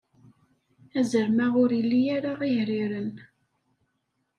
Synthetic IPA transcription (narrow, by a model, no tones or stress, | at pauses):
æzəɾmaʁʊɾilːijaɾaʁiʝɾiɾən